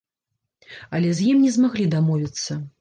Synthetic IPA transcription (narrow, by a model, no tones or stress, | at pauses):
ɐlʲɛzʲjimnʲɛzmaɣlʲid̪amɔvʲit̪sːɐ